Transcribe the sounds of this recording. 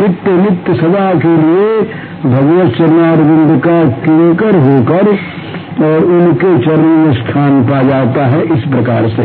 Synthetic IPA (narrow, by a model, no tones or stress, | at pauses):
mɪt̪ːəmɪt̪jəsɐd̪ʱakelie | bʱɐɡʋət̪t͡ʃɐɾnaːɾɡə̃nd̪ʱkakiekəɾɦoːkəɾ | ɔːɾʊnket͡ʃɐɾmest̪ʰaːnpad͡ʒaːt̪aɦɛʔɪspɾɐkaːɾse